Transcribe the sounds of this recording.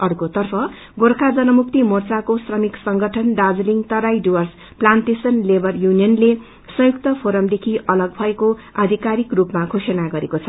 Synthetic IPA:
ʌrkot̪ʌrpʰʌ | ɡorkʰad͡zʌnʌmukt̪imort͡sakosrʌmiksʌŋɡʌʈʰʌnɖad͡zliŋt̪ʌɾajɖiwʌrs | plant̪esʌnlebʱʌrjunijʌnle | sʌ̃jukt̪ʌpʰoɾʌmd̪ekʰiʔʌlʌɡ̚bʱʌekoad̪ʱikaɾikrupmakʰosenaɡʌɾekot͡sʰʌ

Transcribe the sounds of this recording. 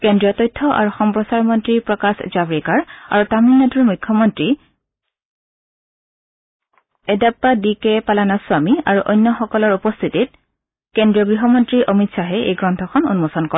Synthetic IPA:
kendɹiɔtɔjtʰːɔʔa̰ɹuxɔmpɹɔsaɹmɔntɹipɹɔkaszabɹikaɹa̰ɹutaminatuɹmujkʰːɔmɔntɹi | ɛdapːadikɛpalanaswamia̰ɹuʔɔjnːɔxɔkɔlɔɹupɔst̪ʰitit̚ | kendɹijɔɡɹiɦɔmɔntɹiʔɔmitsaɦɛḛjɡɹɔntʰɔkʰɔnṵnmosɔnkɔ

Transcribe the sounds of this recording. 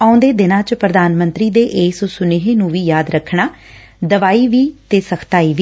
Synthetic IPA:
aːʊ̃nd̪eːd̪ɪnãːt͡ʃpɾəd̪aːnmə̃nt̪ɾiːd̪eːʔeːsosʊneːɦeːnũːʋiːjaːd̪ɾəkʰːɳaː | d̪əʋaːiːʋiːt̪eːsəkʰt̪aːiːʋiː

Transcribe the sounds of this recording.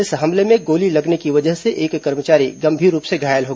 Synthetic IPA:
ɪsɦɐmlemẽɡoːlilɐɡnekiʋɐd͡ʒəɦseʔeːkːɐɾmət͡ʃaːɾḭɡɐ̃mbʱiːɾːuːpseɡʱaːjəlɦoː

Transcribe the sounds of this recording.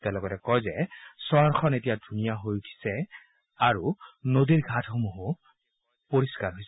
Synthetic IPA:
tɛlɔɡɔtɛkɔjzɛsɔaɹxʰɔnetijadʱunijaɦojutʰi̥sɛ | aɹunodiɹɡʱatʰxomuɦʊ | poɹiskaɹɦojsɛ

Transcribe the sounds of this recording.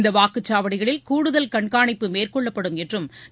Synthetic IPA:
nd̪ɐʋaːkɯt͡ʃːaːʋɐɽɪɣɐɭɪlkuːɽɯðɐlkɐɳkaːɳɪpːɯmeːrkɔɭːɐpːɐɽɯmɛʈrɯm

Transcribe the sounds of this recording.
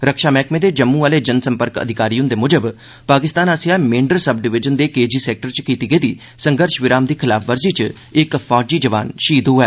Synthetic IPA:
ɾəkʃaːmɛːkmẽːd̪eːd͡ʒəmːũːʋaːleːd͡ʒənsəmpəɾkə̰d̪ʱɪkaːɾiːõnd̪eːmʊd͡ʒəb | paːkɪst̪aːnaːsɪjaːmẽːɳɖəɾsəb̚ɖɪʋɪd͡ʒənd̪eːkeːd͡ʒiːsɛːk̚ʈəɾt͡ʃkiːt̪iːɡəiːd̪iː | səŋɡəɾʃʋɪɾaːmd̪iːkʰɪlaːpʰʋəɾziːt͡ʃ | ɪkpʰaːd͡ʒiːd͡ʒəʋa̰ːnʃiːd̪oɛː

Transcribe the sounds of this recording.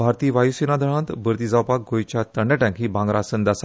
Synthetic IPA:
bʱaɾt̪iːʋajusinad̪ʱəɽ̃ãnt̪bəɾt̪iːd͡zawpak̚ɡojt͡ɕjat̪əɳɖɛʈãŋkɦiːbãŋɡɾasənd̪asa

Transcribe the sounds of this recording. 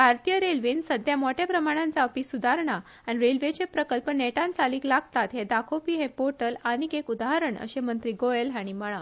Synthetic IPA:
bʱaɾt̪ijəɾelʋinsəd̪ʱjamɔʈjapɾəmaɽ̃ãnt͡saəpisud̪ʱaɾɳ̃a | aniɾelʋet͡ɕepɾəkəlpəneʈãnt͡saliːklaɡ̚t̪at̪ɦed̪akʰopiːɦɛ̃poʈəlañikekud̪aɦəɾəɳʔə̰ɕemənt̪ɾiːɡoelɦaɽ̃iməɭ̃a

